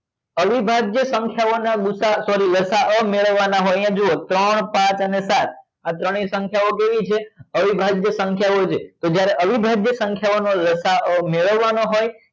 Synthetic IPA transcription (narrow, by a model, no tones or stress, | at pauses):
əʋibʱaɡjəsə̃ŋkʰjaonaɡusasɔɾiləsaʔəmeɭəʋːanaɦojãd͡ʒoot̪ɾəɳpãt͡ʃənesat̪̚ʰ | at̪ɾəɽ̃isə̃ŋkʰjaokeʋit͡ʃʰeəʋibʱaɡjəsəŋkʰjaot͡ʃʰet̪od͡ʒjaɾeʔəʋibʱaɡjəsə̃ŋkʰjaonoləsaʔəmeɭəʋːanoɦoj